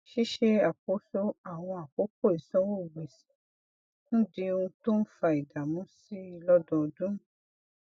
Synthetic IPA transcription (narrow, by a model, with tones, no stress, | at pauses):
ʃi˦ʃe˦a˨k͡po˦so˦a˦˨w̃ɔ̃˧a˨k͡po˨˦ko˦˨i˨sɔ̃˦wo˦˨ɡ͡be˨sĩ̥˨˦ | ñ̩˦di˧ũ˧to˦n̩˦fa˧i˨da˨mũ˨˦si˦i˦˧lɔ˦dɔ̃˧˨dũ˦